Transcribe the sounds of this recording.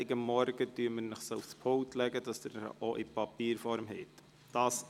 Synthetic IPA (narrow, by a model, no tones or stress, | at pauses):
ɪɡəmːɔɾɡ̥ətyːməɾnəχsoufspʰowtlɛɡədɑsdəʔoʔipɑpiːɾfɔɾmɦɛt | d̥ɑːs